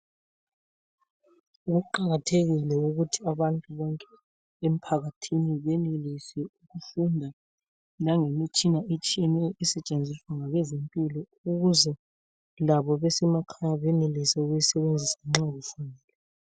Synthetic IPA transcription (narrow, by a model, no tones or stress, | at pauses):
uɣuǃaɣatʰeɣilɛuɣutʰiaβantʼuβɔŋkʼɛ | em̩pʰaɣatʰiniβɛnelisɛuɣufundʱa | naŋemit͡ʃʼinaet͡ʃʼiɛnɛisɛt͡ʃʼend͡zʱiswaŋaɣwɛzempʼilɔ | uɣuzɛ | laβɔβɛsɛmakʰajaβɛnelisɛuɣujisɛβend͡zʱisaŋ͡ǁaɣufundʱɛːlɛ